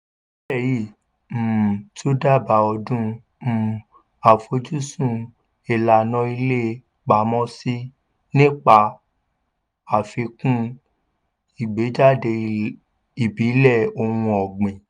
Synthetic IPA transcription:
bɛ˦˨ji˦˨ | m̩˨to˦da˦˨ba˨˦ɔ˧dũ˦ | m̩˨ | a˨fo˧˦d͡ʒu˦sũ˦˨ | e˨la˨nɔ̃˧˦i˧le˦ | k͡pa˨˦mɔ̃˦si˦ | nĩ˦k͡pa˧ | a˨fe˧kũ˦ | i˨ɡ͡be˨˦d͡ʒa˦˨de˧ | i˨bi˨˦lɛ˦˨o˧hũ˧ɔ˨ɡ͡bẽ˨

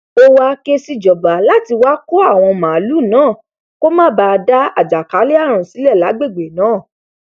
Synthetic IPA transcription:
o˦wa˧ke˦si˦d͡ʒɔ˨ba˨la˦ti˧wa˦ko˦a˦˨w̃ɔ̃˧mã˨˦lu˦˨nãː˨˦˨ | ko˦mãː˦˨ba˧da˦a̰˨d͡ʒa˨ka˨˦le˦a˦˨ɾ̃ũ˨si˨˦lɛ˦˨la˨˦ɡ͡be˦˨ɡ͡be˨nãː˨˦˨

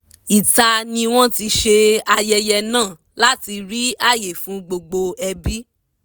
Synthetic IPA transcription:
i˨ta˧nĩ˧w̃ɔ̃˦ti˧ʃe˧a˧jɛ˧jɛ˧nãː˦˨ | la˦ti˧ɾi˦a˦˨je˨fũ˨˦ɡ͡bo˧ɡ͡bo˧ɛ˧bi˦

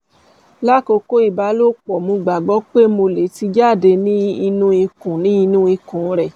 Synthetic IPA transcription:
la˦ko˧ko˦i˦˨ba˨˦lo˦k͡pɔ˨mũ˧ɡ͡ba˨ɡ͡bɔ˨˦k͡pe˦mo˧le˨˦ti˧d͡ʒa˦˨de˧nĩ˦i˧nũ˦i˧kũ˨nĩ˦i˧nũ˦i˧kũ˨˦ɾɛ˨

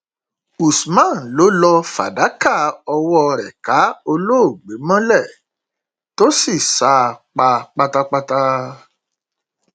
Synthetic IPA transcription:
u˨smã˦˨n̩˨lo˨˦lɔ˧fa̰˨da˨˦ka˦˨ɔ˧wɔ˦˧ɾɛ˨ka˨˦o˧lo˦o˦˨ɡ͡be˨˦mɔ̃˦lɛ˦˨ | to˦si˦˨sa˨˦˨k͡pa˧k͡pa˧ta˧k͡pa˧ta˧

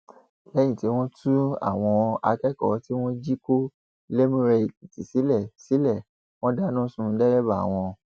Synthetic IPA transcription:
lɛ̃˨˦ĩ˦˨ti˨˦w̃ɔ̃˦tũ˦a̰˦˨w̃ɔ̃˧ʔa̰˧kɛ˦kɔ̰˨˦ti˦w̃ɔ̃˦d͡ʒi˦ko˦ | le˦mũ˦ɾe˧˨i˨ti˨si˨˦lɛ˦˨si˨˦lɛ˦˨ | w̃ɔ̃˦da˦nũ˦sũ˦˧dɛ˦ɾɛ˦ba˦˨a̰˨w̃ɔ̃˧

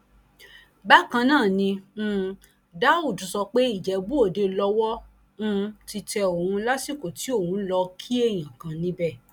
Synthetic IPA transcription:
ba˦kã˧nãː˦˨nĩ˧˦ | da˦u˦˨du˨sɔ˧k͡pe˦i˦˨d͡ʒɛ˨˦bo˦o˦˨de˧lɔ˧wɔ˦ | ũ˦˧ti˧tɛ˧o˨ũũ˧˦la˦si˦˨ko˨ti˨˦o˦˨hũ˨˦lɔ˧kʰi˦e˦˨j̃ã˨kã˨nĩ˦bɛ˦˨

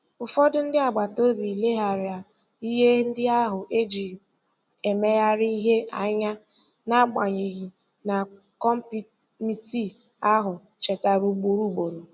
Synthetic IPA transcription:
ʊ˨fɔ˦dʊ˦n̩˦dɪ˦a˨ɡ͡ba˨to˦bi˨le˦ɦa˨ɾɪ˨a˨ | i˦ɦe˦n̩˦dɪ˦a˦ɦʊ˨ʔe˦d͡ʒi˨ | e˨me˦ja˦ɾi˦ɦe˦a̰˨ɲa˦ | na˦ɡ͡ba˨ɲi˨ɣi˨ | na˨ | kɔ˦m̩˦p | mi˦ti˦ | a˦ɦʊ˨ | t͡ʃe˨ta˨ɾu˦ɡ͡bu˦ɾu˦˨ɡ͡bo˨ɾo˨

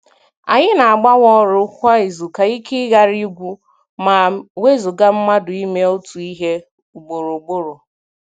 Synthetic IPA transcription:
a̰˨ɲɪ˦na˨a˨ɡ͡ba˦wɔ˦ɾʊ˦kʷa˦e˨zu˨ka˨i˦kɪ˦ɣa˦ɾi˦ɡʷu˦ | ma˨we˦zo˨ɡa˦m̩˦ma˦dʊ˨i˦me˦o˦tu˨i˦ɦe˦ | u˨ɡ͡bo˨ɾo˨ɡ͡bo˦ɾo˨

